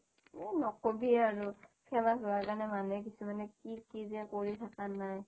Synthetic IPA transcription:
enɔkobiaɹukʰɛlaʊakanɛmanɛk̬isumanɛkikizɛkoɹitʰakanaj

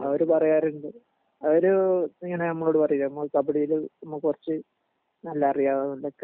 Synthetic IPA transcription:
ɐ̰oɾupɐrɐjaːɾuɳɖɨ | ɐoɾuiŋːɐnenɐmːɐɭo̞ːɽupɐrɐjiɾɐmːoɭkɐbɐɽijilnɐmːɐkurɐt͡ɕːɨ | nɐlːɐːrijaːʋɐnulːɐkː

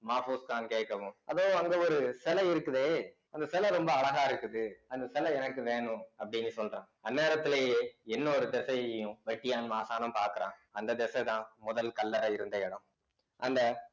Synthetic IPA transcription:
maːfuːskaːnkeːʈkːɐʋʊ̃ɐðoːɐŋɡeːɔɾɯsɛlɐɪɾɯkːɯðeː | ɐnd̪ɐsɛlɐɾɔmbɐːɭɐɣaːɪɾɯkːɯðɯɐnd̪ɐsɛlɐɛnɐkːɯʋeːɳʊ̃ɐpːɐɽɪnːɯsɔlɾãː | ɐnːeːɾɐt̪ːɪleːjeːɛnːɐɔɾɯd̪ɛsɐjʊ̃ʋɛʈːɪjaːnmaːsaːnɐmpaːɾkɯɾãːɐnd̪ɐd̪ɛsɐt̪ãːmʊðɐlkɐlːɐɾɐɪɾɯnd̪ɐɛɽɐ̃m | ʔɐnd̪ɐ

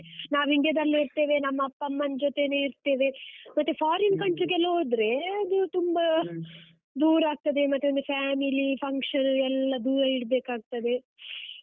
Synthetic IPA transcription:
naːʋiɳɖjɐd̪ɐlːɐiɾt̪e̞ːʋe̞nɐmːɐɐpːɐmːɐnd͡ʒot̪eneːiɾt̪e̞ːʋe̞mɐt̪ːepʰaːɾɐnkɐɳʈɾiɡɛlːɐɦoːd̪ɾe̞ɐd̪ut̪umbɐ | d̪uːɾaːɡ̚t̪ɐd̪e̞mɐt̪ːeond̪ɐpʰjaːmilipʰɐŋkʂɐnɛlːɐd̪uɾɐiɽbeːkaːɡ̚t̪ɐd̪e

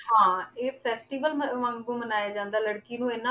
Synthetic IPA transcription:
ɦãːeːpʰɛːsʈiːʋəlmʋə̃ŋɡbũːmənaːjaːd͡ʒãːnd̪aːləɽkiːnũːɪnã

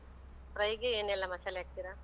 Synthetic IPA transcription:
tɾɐjɡeeːnɛlːɐmɐsaljaːɡ̚t̪iɾa

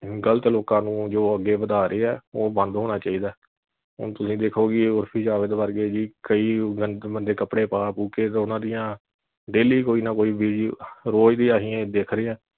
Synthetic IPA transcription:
ɡələt̪loːkãːnũːd͡ʒoːəɡːeːʋəd̪aːɾʔeːɛːoːbə̃nd̪ɦoːɽ̃aːt͡ʃaːiːd̪aː | ɦʊ̰nt̪ʊsĩːd̪eːkʰoːɡiʊɾpʰiːd͡ʒaːʋɪd̪ʋəɾɡeːd͡ʒiːkəiːɡənbənd̪eːkəpɽeːpaːpuːkeːt̪ːʊnãːd̪ɪjãː | ɖeːliːkoːiːnãːkoːiːʋiːɽiːɾoːd͡ʒd̪iːaːɦiːɛ̃ːd̪eːkʰɾeːãː

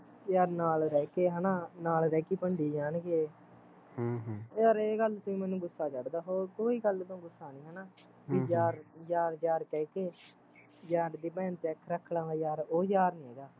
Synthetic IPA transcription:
jaːɾnaːlɾɛːkeːɦɛːnaːnaːlɾɛːkiːpəɳɖiːd͡ʒaːnɡeː | jaːɾeːɡəlt̪ʊĩmɛ̃ːnũːɡʊsːaːt͡ʃəɽd̪aːɦoːɾkoːiːɡəlːt̪õːɡʊsːaːnĩːɦɛːnaː | ʋid͡ʒaːɾjaːɾd͡ʒaːɾkɛːkeː | d͡ʒaːɾd̪iːbɛ̃ːnt̪eːkʰːɾəkʰːlãːaːjaːɾoːjaːɾnĩːɦɛːɡaː

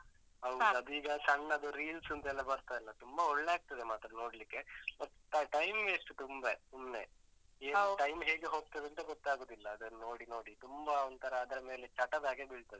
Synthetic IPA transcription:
ɐwɐd̪uiːɡɐsɐɳːɐːd̪uɾiːlsɐnt̪ɛlːɐbɐɾt̪aɛlːɐt̪umbɐɔɭːeaːɡ̚t̪ɐd̪emaːt̪ɾɐno̞ːɽlikːe̞mɐt̪ːʈɐʈɐjmɡeɐʂʈːut̪umbɐsumneeːʈɐjmɦeːɡeɦo̞ːɡ̚t̪ɐd̪ɐnt̪ɐɡɔt̪ːaːɡoːd̪ilːɐːd̪ɐnno̞ːɽino̞ːɽit̪umbɐond̪t̪ʰɐɾɐːd̪ɐɾɐme̞ːlet͡ʃɐʈɐd̪aːɡebiɭt̪ɐd̪e

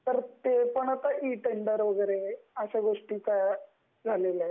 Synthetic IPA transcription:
pɾɐt̪jeːpɐɳɐt̪ɐʔiːʈeɳɖɐɾoɡɐɾeɐsɐɡoʂʈikɐ | ɡalilɐ

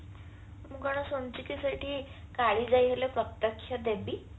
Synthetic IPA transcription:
muɡaɽ̃asont͡ɕikisaʈʰiːkaɭiːd͡zajɦelepɾɔt̪ːəkɕʰad̪ebi

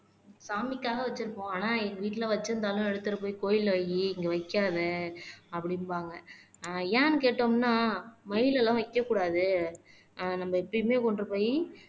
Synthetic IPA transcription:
saːmɪkːaːɣɐʋɐt͡ʃːɪɾɯkːõːaːnaːɛŋɡɐʋiːʈːɪlɐʋɐt͡ʃːɯɾɯnd̪aːlʊ̃ɛɽɯt̪ːɯɾɐpoːjkoːjɪlʋɐjiɪŋɡɐʋɐɪkːaːðɯɐpːɐɽɪnbaːŋɡɐjaːnkeːʈːoːmnaːmɐɪlɛlãːʋɐɪkːɐkːuːɽaːðɯ | nɐmːɐɛpːɐɽimeːkɔɳɖɾɐpoːji

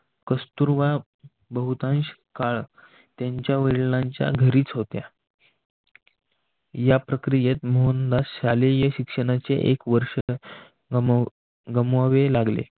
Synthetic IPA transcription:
kəst̪uɾʋa | bəɦut̪ãnɕkaɭ | t̪jaɲt͡ɕjaʋəɭnaɲt͡ɕja̰ɡʱəɾiːt͡sɦot̪ja | japɾəkɾijet̪moɦənd̪asɕalejəɕikʂəɽ̃at͡sḛʔekʋəɾʂə | ɡəmʋaʋelaɡlḛ

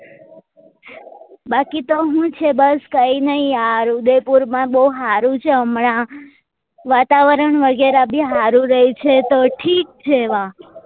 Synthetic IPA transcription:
bakit̪oɦũt͡ʃʰebəskəinəɦĩaɾud̪epuɾmãbəɦuɦaɾũt͡ʃʰeəmɳã | ʋat̪aʋəɾəɳʋəɡeɾabiɦaɾũɾəɦit͡ʃʰet̪oʈʰik̚t͡ʃʰeʋã

